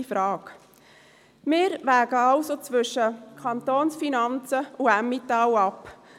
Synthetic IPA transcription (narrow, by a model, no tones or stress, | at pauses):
ifɾɑːk | mɪːɾʋæːɡəɑʊsot͡sʋʏʃəkʰɑnt̪oːnsfinɑnt͡səʊæmit̪ɑwɑp